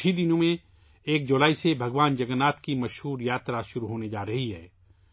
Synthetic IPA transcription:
id̪ɪnõmẽ | eːk̚d͡ʒʊlaːisebʱɐɡʋaːnd͡ʒɐɡənaːt̪kimɐʃɦuːɾjaːt̪ɾaʃʊɾuɦoːned͡ʒaːɾɐɦiɦɛː

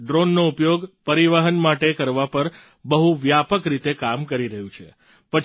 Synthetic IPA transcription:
ɖɾonːoupjoɡpəɾiʋəɦənmaʈekəɾʋapəɾ | bəɦuʋjapəkɾit̪ekamkəɾiɾəɦũt͡ʃʰe | pə

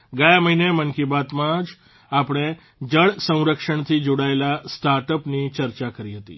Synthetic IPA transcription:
ɡajaməɦinemənkibat̪mãd͡ʒ | apɽ̃e | d͡ʒəɭsə̃w̃ɾəkʃəɳ̃t̪ʰid͡ʒoɽaelasʈaɾʈəpnit͡ʃəɾt͡ʃakəɾiɦət̪ḭ

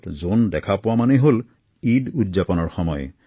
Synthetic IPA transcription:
tzondɛkʰapʊwamanɛɦol | idudzapɔnɔɹxɔmɔj

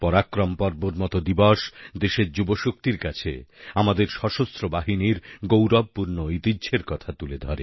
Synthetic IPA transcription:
pɔɾakːɾɔmpɔɾboɾmɔt̪od̪ibɔʃd̪eʃeɾd͡ʑuboʃuk̚t̪iɾkat͡ɕʰḛamad̪eɾʃɔʃost̪ɾobaɦiniɾɡowɾɔb̚puɾnoit̪idːɕʰeɾkɔt̪ʰat̪uled̪ʱɔɾe

